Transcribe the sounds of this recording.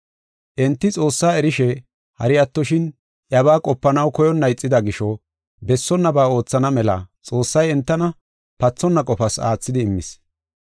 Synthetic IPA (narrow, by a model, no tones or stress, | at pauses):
ʔɛnt̪ːɪt͡sʼo̞ːsːaːɛɾɪʃɛ | hɐɾɪjɐt̪ːɔʃɪn | ʔjɐbaːkʼɔpːɐnɐwkɔjɔnːɐjt͡sʼːɪd̪ɐɡɪʃɔ | bɛsːɔnːɐbaːo̞ːt͡sːɐnɐmɛlɐ̰t͡sʼo̞ːsːɐjɛnt̪ːɐnɐ | pɐt͡sːɔnːɐkʼɔfɐsa̰ːt͡sːɪd̪ɪːmːɪ̰s